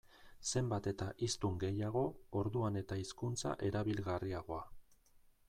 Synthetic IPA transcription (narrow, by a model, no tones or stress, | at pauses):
se̞mbat̪e̞t̪aʔist̪uŋɡe̞jaɣ̞o̞oɾðuane̞t̪aiskunt͡sa̰ʔe̞ɾaβilɣariaɣ̞o̞a